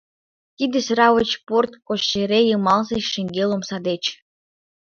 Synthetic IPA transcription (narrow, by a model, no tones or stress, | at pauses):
k̪id̪ʲɘ̆srɑvə̆t͡ɕport̪koɕːeɾejɤmɑlˠzeʃɘ̆ŋɡʲelˠomsɑd̪et͡ɕ